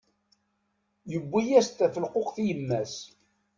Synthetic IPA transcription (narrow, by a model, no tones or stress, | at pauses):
jəbːijæst̪æθəlqoqθijəmːæs